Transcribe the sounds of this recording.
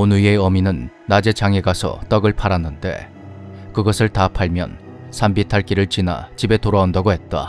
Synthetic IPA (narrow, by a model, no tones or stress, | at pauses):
onuie̞ʌminɯnː | ad͡ʑe̞t͡ɕaŋe̞ɡasʰʌ̰t͈ʌɡɯɭpʰaɾanːɯnde̞̰ | kɯɡʌsʰɯɭtapʰaɭmjʌ̰n | sʰambitʰaɭk͈iɾɯɭt͡ɕina̰t͡ɕibe̞toɾaondʌɡoɦe̞t̚t͈a̰